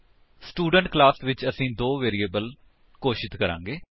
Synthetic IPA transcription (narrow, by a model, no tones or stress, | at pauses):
sʈuːɖəɳʈklaːsʋɪt͡ʃəsĩːd̪oːʋeːɾieːbəl | koːʃɪt̪kəɾã̰ːŋɡeː